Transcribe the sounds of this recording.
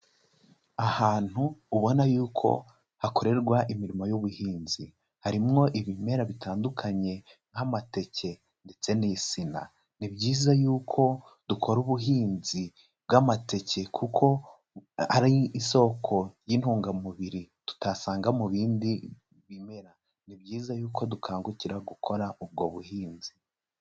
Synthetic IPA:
ahaːn̥huːβo̞najuːkʰo̞̰ | hako̞ɾe̞ɾɡwaʔimiɾimo̞juβuhiːnzi | haɾimŋo̞ʔiβime̞ɾaβitaːndukʰaɲe̞ | ŋ̥amate̞ce̞ | nde̞t͡se̞nisina̰ | nibɟiːzajuːkʰo̞ | d̥ukʰo̞ɾuβuɦiːnzi | b̚ɡamate̞ce̞kʰukʰo̞ | aɾiːso̞ːkʰo̞jinhuːŋɡamuβiɾi | tu̥tasaːŋɡamuβiːndi | βime̞ɾa | nibɟiːzajuːko̞dukʰaːŋɡuciɾaɡukʰo̞ɾaʔub̚ɡo̞βuhiːnzi

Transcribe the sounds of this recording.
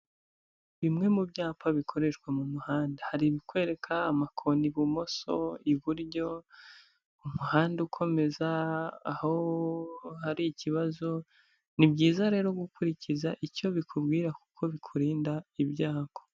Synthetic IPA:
βimŋe̞mubɟaːpaβikʰo̞ɾe̞ʃkwamumuhaːndahaɾiβikwe̞ːɾe̞kʰaːmakʰo̞niβumo̞so̞̰iβuɾɟo̞ | umuhaːndeukʰo̞me̞zaːho̞ | haɾiciβazo̞ | nibɟiːzaɾe̞ːɾo̞ɡukuɾicizaʔico̞βikʰubɡiːɾaku̥kʰo̞βikʰuɾiːndaibɟaːkʰo̥

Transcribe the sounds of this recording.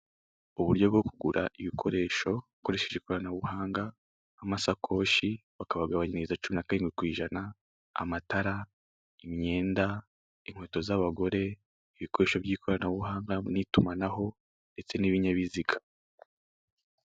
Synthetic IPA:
uβuɾɟo̞bɡo̞kʰuɡuɾaʔiβikʰo̞ɾe̞ːʃo̞uko̞ɾe̞ʃe̞ʒekoɾanaβuɦaːŋɡaː | masakʰo̞ːʃiβakaβaɡaβaɲinizat͡ʃuminakaɾiːŋɡwikwiːʒana | a̰mataɾa | imɲe̞ːnda | iŋ̥hwe̞ːto̞zaβaɡo̞ɾe̞ | iβiko̞ɾe̞ːʃobjiːkʰo̞ɾanaβuɦaːŋɡanitumanaɦo̞ | nde̞t͡se̞niβiɲaβiziɡḁ

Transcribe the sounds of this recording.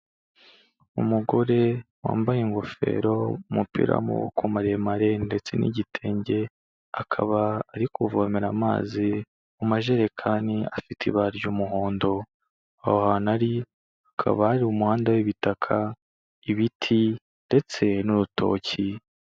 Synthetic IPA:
umuɡo̞ɾe̞wa̰ːmbajeŋɡo̞fe̞̰ɾo̞umupḭɾa̰mṵṵkomaɾemaɾe̞nde̞t͡se̞nḭɟitʰe̞ːɲɟe̞ | akʰa̰βaaɾikuvomeɾama̰ːzi | umaʒe̞ɾekʰaːnia̰fitʰiβaɾɟumuɦoːndo̞ | a̰hohanaɾi | akʰa̰βahaɾiumuhaːndawiβitakʰa | iβitʰi | nde̞t͡se̞nuɾutʰo̞̰ːci

